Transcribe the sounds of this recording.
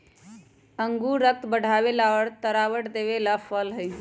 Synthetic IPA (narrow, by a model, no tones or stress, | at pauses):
əŋɡuɾək̚t̪bəɽ̤ʱabelaʋəɽt̪əɾaʋəʈd̪eβelapʰəlɦəj